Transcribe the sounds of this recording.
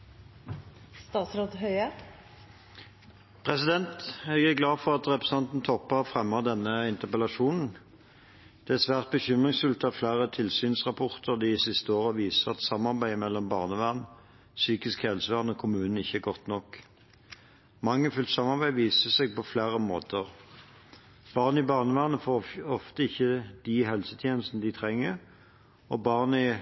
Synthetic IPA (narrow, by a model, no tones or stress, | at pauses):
st̪ɑːt̪sɾoːd̪hœʏə | pʰʁɛsɪd̪ɛnt̪ɛɡæɡlɑːfɔʁɑt̪ʁɛpɾʁəs̩ɑnt̪n̩t̪ʰɔpːəʁfʁɛmːəd̪ɛnːəɪnt̪əʁpəlɑʃuːnn̩ | d̪̥ɛæsʋæːʁt̪̚bəçʏmʁɪŋsfʉlt̪ɑflæːʁət̪ʰɪlsyːnsʁɑpʰɔʁt̪ʰəʁd̪ɪsɪst̪əoːʁəʋiːsəʁɑt̪sɑmːɑʁbæɪmɛlːɔmbɑːʁnəʋæʁn | syːkɪskhɛlsəʋæʁnɔːkʰʊmʉːnn̩ɪçːəæɡɔt̪nɔkː | mɑŋːəfʉlt̪sɑmɑʁbæɪʋiːsəsɛɡ̚pɔflæːʁəmoːt̪ʰəʁ | b̥ɑːʁnɪbɑːʁnəʋæːʁnəfoːɔft̪əɪçːəd̪̥ɪɦɛlsət̪ʰjeːnl̩st̪nəd̪ɪt̪ʰʁɛŋːəʁ | ɔbɑːʁnɪ